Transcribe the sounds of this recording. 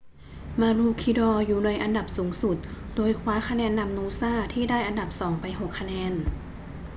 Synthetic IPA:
maː˧luː˧˩kʰːiː˧dɔː˧juː˨˩na˧jʔa˧nda˨˩p̚suː˩˦ŋsu˨˩t̪̚doː˧jkʰwaː˧˦˥kʰa˧nɛː˧nːa˧mnuː˧˥saː˥˩t̪ʰiː˥˩daː˥˩jʔa˧nda˨˩p̚sɔː˩˦ŋpa˧jɦo˨˩kʰːa˧nɛː˧˥n

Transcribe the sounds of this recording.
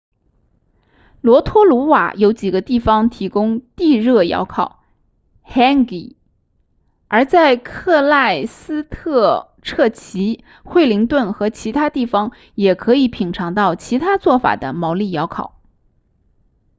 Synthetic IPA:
lwɔ˧˥t̪ʰwɔ˥lu˧˥wa̰˨˩jo˧˥ʊt͡ɕi˨˩ɡə˦t̪i˥˩fɑ˧ŋt̪ʰi˧˥kʊ˥ŋt̪i˥˧ɻɤ˥˩jɑ̰˧˥ʊkʰɑ˨˩˦ʊ | xɛ˥nki˨˩˦ | ə˞˧˥t͡sa˥˧ɪkʰɤ˥˧la˥˩ɪsɹ̩˥t̪ʰɤ˥˧ | ʈ͡ʂʰɤ˥˩t͡ɕʰi˧˥ | xwe˥˩ɪli˧˥ŋt̪wə˥˩nxɤ˧˥t͡ɕʰi˧˥t̪ʰa˥t̪i˥˩fɑ˩ŋ | jɛ˨˩kʰɤ˧˥i˧˩˥pʰi˨˩ŋʈ͡ʂʰɑ˧˥ŋt̪ɑ˥˩ʊt͡ɕʰi˧˥t̪ʰa˥t͡swɔ˥˩fa̰˨˩d̪ə˦mɑ˧˥ʊli˥˩jɑ˧˥ʊkʰɑ̰˨˩˦ʊ

